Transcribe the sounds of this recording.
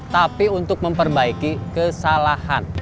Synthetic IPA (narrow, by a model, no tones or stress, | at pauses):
t̪apiunt̪ʊk̚məmpərbaikikəsalahan